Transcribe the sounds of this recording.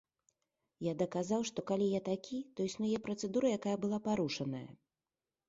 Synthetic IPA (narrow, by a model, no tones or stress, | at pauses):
jad̪ɐkazawʂt̪ɔkalʲijat̪akʲʰit̪ɔisnujɛpɾɐt̪sɛd̪uɾɐjakajɐbɨlˠapaɾuʂɐnɐ̰jɐ̰